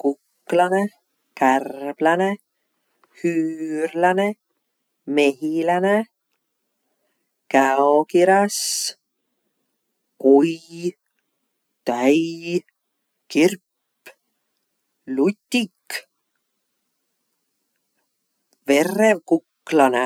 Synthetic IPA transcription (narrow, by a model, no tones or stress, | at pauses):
kukː | lɑne | kærb̥lɑne | hyːrlɑne | me̞ɦilæne | kæokiɾɑs | kuj | t̪æj | kirpː | lut̪ʲːikː | ve̞rːevkukːlɑne